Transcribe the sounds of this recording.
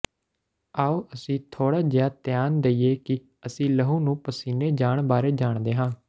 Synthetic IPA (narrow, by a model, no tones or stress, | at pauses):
aːoːʔəsĩːt̪ʰoːɽaːd͡ʒɪjaːt̪ɪjaːnd̪eiːeːkɪ | əsĩːləɦuːnũːpəsiːneːd͡ʒaːɳbaːɾeːd͡ʒaːɳd̪eːɦãː